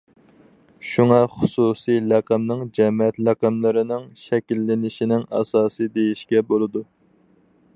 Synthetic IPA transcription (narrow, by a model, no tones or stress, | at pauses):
ʃuŋɑχʊsusijlæqəmnɪŋd͡ʒɛmɛt̪læqəmlˠɨɾɪnɪŋʃɛkʲilːɪnɪʃinɪŋɑ̰sɑːsɨd̪ejiʃkʲɛbolˠɨd̪u